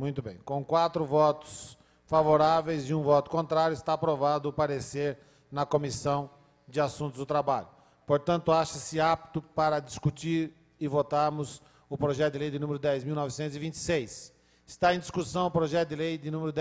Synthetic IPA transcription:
mũj̃t̪ʊbḛ̃j̃kõw̃kwat̪ɾʊvɔt̪ʊ̥s | favoɾavejzɪũvɔt̪ʊ̥kõnt̪ɾaɾjʊɪst̪aːpɾovad̪ʊːpaɾeseɾ | nɐkomisɐ̃w̃ | d͡ʒɪasũnt̪ʊzd̪ʊt̪ɾabaʎʊ | poɾt̪ɐ̃nt̪ʊaʃɐsɪap̚t̪ʊpaɾɐd͡ʒ̪iskut͡ʃiɾ | ɪvot̪aɾmʊz | ʊpɾoʒɛt̪ʊd̪ɪlejd̪ɪnũmeɾʊd̪ɛjzmiwnɔvɪsẽnt̪ʊzɪvĩnt͡ʃɪ̥sejs | ɪst̪aẽj̃d̪iskusɐ̃w̃ʊpɾoʒɛt̪ʊd̪ɪlejd̪ɪnũmeɾʊd̪

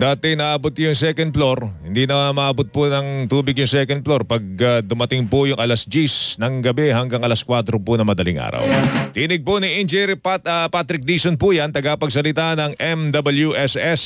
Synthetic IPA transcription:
d̪aːt̪ɛnɐʔːbot̪̚jʊŋsɛkɐn̚flo̞ɾhɪnd̪inɐmaʔabot̪̚pʊnɐŋt̪uːbɪɡjʊŋsɛkɐnd̪̚floɾpɐɡ̚ɐd̪ʊmɐt̪ɪŋpʊjʊŋʔɐlɐsd͡ʒisnɐŋɡɐbɛɦɐŋɡɐŋʔɐlɐskwat̪ɾopʊnɐmɐd̪ɐlḭŋʔa̰ːɾɐ̰wt̪inɪɡ̚pʊniʔind͡ʒɛɾɐpat̪ɾɪk̚d̪isonpujant̪ɐɡapɐɡ̚s̬ɐlɪt̪anɐŋʔɛmd̪ɐbɐljuʔɛsɛs

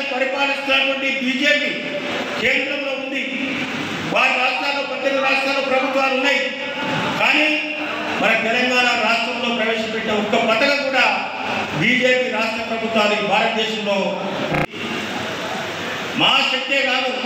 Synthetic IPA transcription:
pɐɾipaːlist̪unɐʈʋɐɳʈibiːd͡ʒe̞ːpi | keːnd̪ɾɐmlo̞ːund̪i | ʋaːɾiɾaːʂʈɾaːloːpɐt̪ːɐkɐɾaːʂʈɾaːloːpɾɐbʱut̪ʋaːlunːaːji | kaːniː | mɐnɐmt̪ɛlɐŋɡaːnaɾaːʂʈɾɐmt̪o̞ːpɾɐʋeːʂɐpɛʈːeːɔkːɐpɐt̪ɐkɐkuːɽaː | biːd͡ʒe̞ːpiːɾaːʂʈɾɐpɾɐbʱut̪ːaːd̪ibʱaːɾɐt̪̚d̪eːʂɐmloː | maaʃɐk̚t̪eːɡaːlu

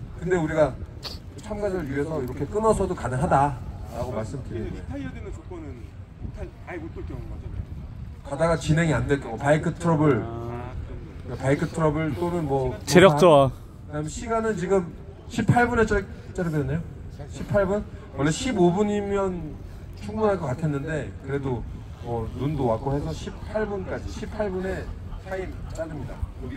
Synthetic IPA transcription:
kɯnde̞uɾiɡa | t͡ɕʰamɡad͡ʑʌɾɯɭjiɦe̞sʰʌiɾʌkʰe̞k͈ɯnʌsʰʌdokanɯŋɦadaɾaɡomaɭs͈ɯmdɯɾie | kadaɡat͡ɕinɦe̞ŋiandwe̞ɭk͈oopaikʰɯtʰɯɾʌbɯɭ | kapaikʰɯtʰɯɾʌbɯɭt͈onɯnmwʌt͡ɕeɾjʌkt͈oa | kɯnamʌɕʰiɡanɯnt͡ɕiɡɯm | ɕʰipʰaɭbune̞t͡ɕ͈at͡ɕ͈aɾɯdnːejo | ɕʰipʰaɭbunwʌɭːe̞ɕʰibobuɲimjʌn | t͡ɕʰuŋbunɦaɭk͈ʌkatʰenːɯnde̞kɯɾe̞do | mʌnundowak͈ohe̞sʰʌɕʰipʰaɭbunk͈ad͡ʑiɕʰipʰaɭbune̞sʰaipt͡ɕ͈aɾɯmɲida̰

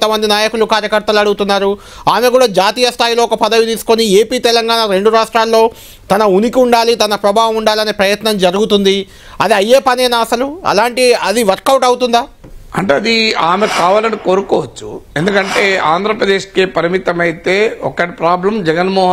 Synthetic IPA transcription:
nt̪ɐmɐnd̪inaːjɐkulukaːɾjɐkɐɾt̪ɐluɐɽuɡut̪unːaːɾu | aːme̞kuːɽaːd͡ʒaːt̪iːjɐst̪ʰaːjlo̞ːɔkɐpɐd̪ɐʋit̪iːsu̥konieːpiːt̪ɛlɐŋɡaːnaɾe̞ɳɖuɾaːʂʈɾaːlːo̞ː | t̪ɐnɐunikiuɳɖaːlit̪ɐnɐpɾɐbʱaːʋɐmuɳɖaːlɐne̞ːpɾɐjɐt̪nɐmd͡ʒɐɾuɡut̪und̪i | ɐd̪iɐjeːpɐneːnaɐsɐluɐ̰laːɳʈiɐd̪iʋɐɾkɐwʈɐwt̪und̪aːɐɳʈeːɐd̪iaːmekaːʋaːlɐniko̞ːɾukɔːʋɐt͡ʃːuend̪ukɐɳʈe̞ːaːnd̪ʱɾɐpɾɐd̪eːʂkeːpɐɾimit̪ɐmɐjit̪e̞ːɔkːɐʈipɾaːblɐmd͡ʒɛɡɐnmɔːɦ

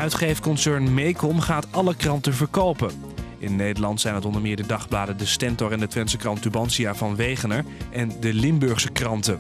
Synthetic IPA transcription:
œɥtχejfəkɔnsɛɹnmejkɔmχaːtɑləkrɑntəvəɹkowpə | ʔɪnːejdəɹlɑntsɛjnɦətɔndəɹmɪːɹdədɑχblaːdədəstɛntɔɹɛndətʋɛnsəkrɑntybɑnsiavɑnʋejχənəɹʔɛndəlɪmbøɹχsəkrɑntə

